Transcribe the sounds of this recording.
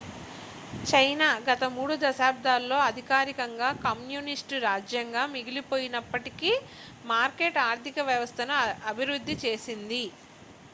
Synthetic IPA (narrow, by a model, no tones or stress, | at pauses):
t͡ʃɐjnaːɡɐt̪ɐmuːɽud̪ɐʃaːb̚d̪ʱaːlːo̞ːɐd̪ʱikaːɾikɐŋɡaːkɐmjuːnisʈɾaːd͡ʒjɐŋɡaːmiɡilipo̞ːjinɐpːɐʈikiː | maːɾkeːʈaːɾt̪ikɐʋjɐʋɐst̪ʰɐnɐɐbʱiɾud̪ʱːit͡ʃe̞ːsind̪i